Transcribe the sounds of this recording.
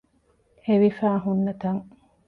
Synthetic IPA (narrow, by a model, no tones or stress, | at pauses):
eʋifæːɦunːɐt̪ɐŋ